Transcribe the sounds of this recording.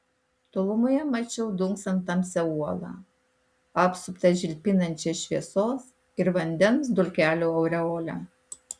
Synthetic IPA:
t̪oːlˠʊmojɛmɐt͡ʃʲɛʊd̪ʊŋksɐnt̪ɐmʲsʲɛuɔlˠɑ̰ː | ɑːpsʊpt̪ɐʒʲɪlʲpʲɪnɐnʲt͡ʃʲeːʃʲʋʲiɛsoːs | ɪɾʋɐnʲd̪ʲɛnsd̪ʊlʲkʲæːlʲoːɐʊɾʲɛoːlʲæ̰ː

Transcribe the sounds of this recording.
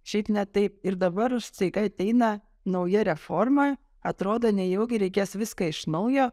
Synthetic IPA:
ʃʲɛɪpnʲɛt̪ɐɪp̚ɪɾd̪ɐbɐɾʊʃt͡s̪ʲɐɪkɐɐt̪ʲɛɪnɐ | nɐʊjɛɾʲɛfoɾmɐ | ɐt̪ɾoːd̪oːnʲɛjɛʊɡʲɪɾʲɛɪkʲeːsʋʲɪskɐɪʃnɐʊjoː

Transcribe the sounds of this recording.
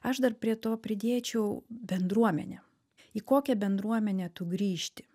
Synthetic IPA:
ɐʃd̪ɐrpʲɾʲiɛt̪oːpʲɾʲɪd̪ʲeːt͡ʃʲɛʊbʲɛnd̪ɾuɔmʲɛ̰nʲɛ | iːkoːkʲɛbʲɛnd̪ɾuɔmʲɛnʲɛːt̪ʊɡɾʲiːʃʲt̪ʲɪ̥

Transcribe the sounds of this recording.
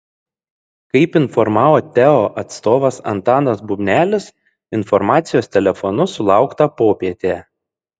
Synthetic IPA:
kɐɪpɪnfɔɾmɑːʋoːt̪ʲɛɔʔɐt̪st̪oːʋɐsɐ̰nt̪ɑːnɐsbʊbʲnʲæːlʲɪs | ɪnfɔɾmɑːt̪sʲɪjoːst̪ʲɛlʲɛfɔnʊsʊlˠɑˑʊkt̪ɐpoːpʲiɛt̪ʲe

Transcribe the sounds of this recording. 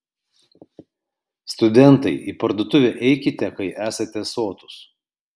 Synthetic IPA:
st̪ʊd̪ʲɛnˑt̪ɐɪʔiːpɐɾd̪oːt̪ʊʋʲɛʔɛɪkʲɪt̪ʲɛkɐɪʔæːsɐt̪ʲɛsoːt̪ʊ̥s

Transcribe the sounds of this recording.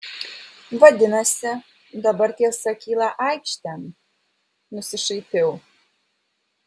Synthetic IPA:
ʋɐd̪ʲɪnɐsʲɪ | d̪ɐbɐɾt̪ʲiɛsɐkʲiːlˠɐʔɐɪkʃʲt̪ʲɛm | nʊsʲɪʃɐɪt̪ʲɛʊ

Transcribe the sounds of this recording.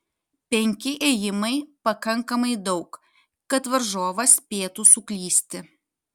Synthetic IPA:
pʲɛŋʲkʲɪʔeːjɪmɐɪpɐkɐŋkɐmɐɪd̪ɒʊk | kɐt̪ʋɐɾʒoːʋɐsʲpʲeːt̪usʊklʲiːsʲt̪ʲɪ

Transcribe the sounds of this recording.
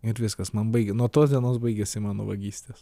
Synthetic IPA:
ɪɾʋʲɪskɐsmɐnbɐɪɡʲɛnuɔt̪oːsd̪ʲiɛnoːsbɐɪɡʲɛsʲɪmɑːno̰ʋɐɡʲiːsʲt̪ʲeːs

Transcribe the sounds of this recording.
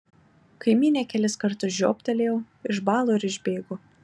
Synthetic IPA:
kɐɪmʲiːnʲeːkʲɛlʲɪskɐɾt̪ʊsʒʲo̰ːpʲt̪ʲɐlʲeːjoː | ɪʒbɑːlˠoːɪɾɪʒʲbʲeːɡo

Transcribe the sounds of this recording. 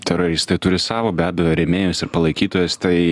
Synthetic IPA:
t̪ʲɛɾoːɾʲist̪ɐɪt̪ʊɾʲɪsɑːʋoːbʲæːbʲɛjoːɾʲɛmʲeːjʊsɪɾpɐlˠɐɪkʲiːt̪oːjɛst̪ɐɪ

